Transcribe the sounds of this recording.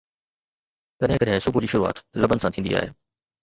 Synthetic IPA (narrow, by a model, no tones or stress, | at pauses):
kɐɗɦɪ̃kɐɗɦɪ̃sʊbud͡ʑiːʃʊɾua̰ːt̪lɐbənɪsãt̪ʰĩːnd̪ḭa̰ːɦḛː